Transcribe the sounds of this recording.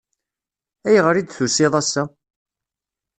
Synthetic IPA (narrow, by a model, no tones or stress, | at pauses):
æjʁəɾid̪θusɪðˤæsːæ